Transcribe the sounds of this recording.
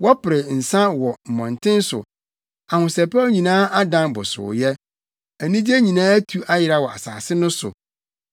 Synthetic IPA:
wɔ˦pɪ˨ɾɪ˨n̩˨sã˦wɔ˨m̩˨mɔ̃˨ntʰɪ̃˦n˦sʊ̰˨ | a˨hʊ̃˨sɛ˨paː˦ɲĩ˨nãː˦a˦dã˨nbʊ̰˨sʊ̰˨jɛ˦ | æ˨nĩ˦d͡ʑi˦e˦ɲĩ˨nãː˦æ˦tʰu˦ʔa˦jɪ˨ɾa˦˨wɔ˨a̰˨sa̰ː˨sɪ˦nʊ̃˦sʊ̰˨

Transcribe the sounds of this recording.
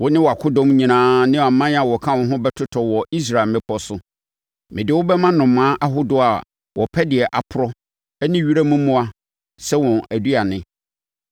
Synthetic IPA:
wʊ˦nɪ̃˦wɔ˨a˨kʰʊ˦dɔ̃˦mɲĩ˨nãː˦nɪ̃˦˨a˨mã˦a˨wɔ˨kʰã˦wʊ̃˨˦ɦʊ̃˦bɛ˦tʰʊ˦tʰɔ˨wɔ˨i˦s̬ɾa˦˨e˨mɪ̃˦pʰɔ˦sʊ˦ | mɪ̃˨dɪ˨˦wʊ˦bɛ˦mã˦nʊ̃˨mːãː˦ʔa˦ɦʊ˦dʊ˨a˨ | wʔɔ˨pʰɛ˦dɪ˨ɛ˨ʔa˨pʰʊ˦ɾɔ˦ | ɛ˦nɪ̃˦ɥi˦ɾa˦mũ˦mũ˦a˦ | sɛ˦wɔ̃˨æ˨du˦a˨nɪ̃˨

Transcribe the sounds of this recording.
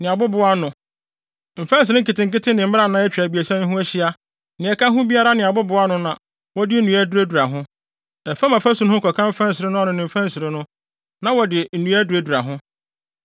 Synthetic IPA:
nɪ̃˨a˨bʊ˦bʊ˦a˦nʊ̃˨ | m̩˨fɛ̃˦n˦s̬ɪ˨ɾɪ̃˦ŋ̩˦kɪ˨tɪ̃˨ŋ̩˨kɪ˦tʰɪ˦nɪ̃˨m̩˦m˦a˨nã˨˦ɛ˦t͡ɕᶣɾa˨bi˨e˨sɛ̃˦ñ˦ɦʊ̃˦æ˦ɕi˦a˦ | nɪ̃˨ɛ˨kʰã˦ɦʊ̃˦bi˦a˦ɾa˦nɪ̃˨a˨bʊ˦bʊ˨˦a˦nʊ̃˦nã˨ | wɔ˦dɪ˦nũ˨æ˦du˦ɾe˦du˨ɾa˨ɦʊ̃˦ | ɛ˨fa˦mã˨fæ˦su˦n˦hʊ˦kʰɔ˨kʰã˦m̩˦fã˦n˦sɪ˨ɾɪ˦nʊ̃˦ɔ˦nʊ̃˨nɪ̃˨m̩˨fæ̃˦n˦sɪ˨ɾɪ˦nʊ̃˦ | nã˨wɔ˨dɪ˨n̩˨nũ˨˦æ˦du˨e˦du˨ɾa˨ɦʊ̃˦

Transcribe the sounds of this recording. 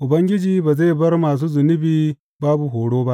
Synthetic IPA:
ʔʊ˨bɐ˦ŋɡʲɪ˦d͡ʒiː˦ba˨ze˦˨bɐ˦rmaː˨s̬uː˦zʊ˨nʊ˦biː˦ | baː˦bu˨ɦoː˨ɽoː˦ba˦ʔ

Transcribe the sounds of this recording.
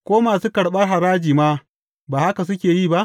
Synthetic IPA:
kʷoː˦maː˨suː˦kɐ˨ɽɓɐ˦rɦa˨ɾaː˦d͡ʒiː˨maː˦ | baː˨ha˦ka˨s̬ʊ˦kʲeː˨jiː˦˨ba˦ʔ

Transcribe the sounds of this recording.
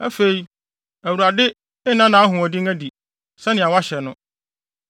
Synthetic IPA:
æ̰˦fe˨i˨˦ | æ˨wu˨ɾa˨dɪ˦ | ɪ˦nã˦nã˨˦a˦ɦʊ̃˨ɔ˨di˦ŋæ˦di˨ | sɛ˦nɪ̃˨a˨wa˦ɕɛ˨nʊ̃˦

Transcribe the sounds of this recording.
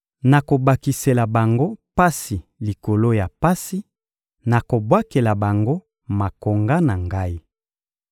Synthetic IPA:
na˨ko˨ba˨ki˨se˨la˨ba˨ŋɡo˦pa˦si˨li˨ko˨lo˦ja˨pa˦si˦ | na˨ko˨bwa˦ke˨la˨ba˨ŋɡo˦ | ma˨ko˨ŋɡa˦na˨ŋɡa˦i˦

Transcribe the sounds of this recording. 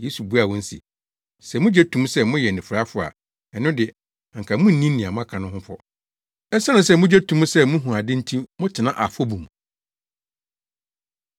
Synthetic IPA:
je˦su˨bu˦a˨wɔ̃˦n̩˦sḭ˨ | sɛ˨mʊ̃˦d͡ʑɛ˦tʰũ˦m˦sɛ˦mʊ̃˦jɛ˨nɪ̃˨fʊ˨ɾa˦fʊ˨a̰˨ | ɛ˨nːʊ̃˦dɪ˨ | ŋ̩˨kʰa˨mʊ̃˦n̩˨nĩ˦ĩ˨a˨mʊ̃˦a˦˨kʰã˨nʊ̃˦hʊ̃˦fɔ̰˦ | ɛ˦sa˦nʊ̃˨sɛ˦mʊ̃˦d͡ʑɛ˦tʰũ˦m˦sɛ˦mʊ̃˦ɦũ˨a˨dɪ̃˦n̩˦tʰĩ˦mʊ̃˦tʰɪ˨nã˦ʔa˨fɔ˦bu˨m˨

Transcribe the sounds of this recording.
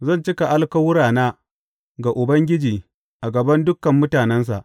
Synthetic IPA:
zɐ˦˨nt͡ʃɪ˦ka˨ʔa˦lkɐ˦wʊ˦ɾaː˨naː˦ | ɡa˨ʔʊ˨bɐ˦ŋɡʲɪ˦d͡ʒiː˨ | ʔa˨ɡɐ˨bɐ˦ndʊ˦kɐ˨mːʊ˦taː˨nɛ˦ns̬a̰˨ʔ

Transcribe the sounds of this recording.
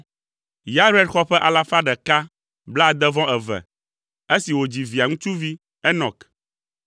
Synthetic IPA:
ja˦ɾu˦ɛ˦ɖxɔ˦ɸɛ˦ʔa˨la˦fa˦ɖɛ˨ka˦ | bld̪ɛ˦vɔ̃˦ɛ˨vɛ̰˨ | e˦si˨wo˨d͡ʑi˨vi˨a˨ŋũ˦t͡ʃu˦vi˦ | ɛ˦nɔ̃˨k

